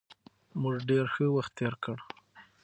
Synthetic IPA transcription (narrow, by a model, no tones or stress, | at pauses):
muʐɖeɾxəwaxt̪ːeɾkʰəɽ